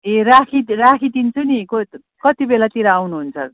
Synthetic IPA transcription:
erakʰirakʰid̪int͡sʰuniko | kʌt̪ibelat̪iɾaawnuɦunt͡sʰʌr

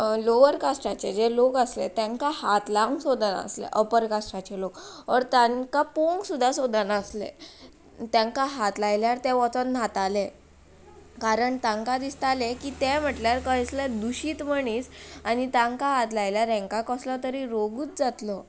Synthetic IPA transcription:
loʋəɾkasʈat͡ɕed͡zelokəslḛt̪jãŋkahat̪laŋɡsod̪əna̰slḛʔəpəɾkasʈat͡ɕelokʋəɾt̪aŋkapoŋɡsud̪ʱːasod̪ʱənaslḛ | t̪jãŋkaɦat̪lajljaɾt̪ɛ̃ʋɔt͡sənnat̪ale | kaɾəɳt̪ãŋkad̪ist̪alekiːt̪ɛm̤əʈljaɾkəjsləd̪uɕiːt̪məɳiːsanit̪ãŋkaɦat̪lajljaɾɛ̃ŋkakəslɔt̪əɾiɾoɡuːt͡sd͡zat̪lɔ

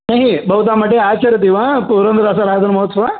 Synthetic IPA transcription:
ɦeːɦibʱɐʋut̪̬aːmɐʈːeaːt͡ʃɐɾjɐt̪iːʋaːpuːɾɐnd̪ɐɾasɐɾaːd̪ɐnumɐɦot̪sɐʋa

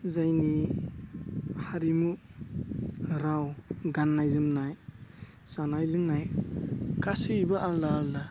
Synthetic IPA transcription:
zajni | haɾimu | ɾawɡanːajzɯmnaj | sanajlɯŋnaj | kasɯbaʔallaːlla

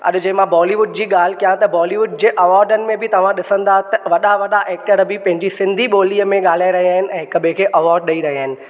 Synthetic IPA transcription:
ɐ̰ɗ̆d͡ʑɐɦɪ̃mãbɔːliʋʊɖd͡ʑiːɠaːl̤ɪkɐjãt̪ɐbɔːliʋʊɖ̚d͡ʑẽːʔɐʋaːɾɖənɪ̆mẽbʱɪt̪ɐʋ̤ãɗɪsə̃nd̪at̪ɐʋɐɗaʋɐɗaʔeːk̚ʈəɾbɪpɐ̃ɦɪ̃ɲd͡ʑisɪ̃nd̪ʱiɓoːliːəmẽɠaːl̤aːɪɾɐɦiaːɦɪnɪ̆ʔɛ̃ːɦɪkbẽkʰeːʔɐʋɔːɾɖɗɐiɾɐɦiaːɦɪnɪ̆

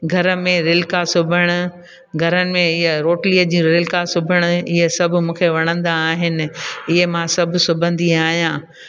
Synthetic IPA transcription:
ɡʱɐɾə̆mẽɾɪlkasʊbʱəɽ̃ʊ̆ | ɡʱɐɾənɪ̆mẽɪɦɾoːʈliːəd͡ʑĩːɾɪlkasʊbʱəɽ̃ʊ̆ɪɦesɐbʱʊ̆mũːkʰeʋɐɽ̃ə̃nd̪aːɦɪnɪ̆ɪɦemãsɐbʱʊsʊbʱə̃nd̪iaːɦijãː

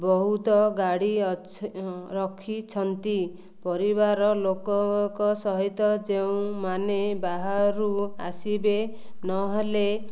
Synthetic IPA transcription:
bɔɦut̪ɔɡaɽi | ɾɔkʰit͡ʃʰɔnt̪i | pɔɾibaɾɔlokɔkɔsɔɦit̪ɔd͡ʒeũmanebaɦaɾua̰sibe | nɔɦele

